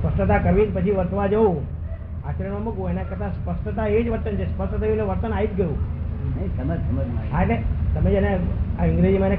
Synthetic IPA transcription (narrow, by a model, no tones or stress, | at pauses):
spəsʈət̪̬akəɾʋinpət͡ʃʰiʋəɾt̪ʰʋad͡ʒəu | at͡ʃəɾəɳmamə̃ɡoenakət̪aspəsʈət̪aed͡ʒʋəɾt̪ənt͡ʃʰespəsʈət̪ʰəjuneʋəɾt̪ənait̪ɡəjũ | mməɦaelet̪əmed͡ʒəneaɪ̃ŋɡɾed͡ʒimãne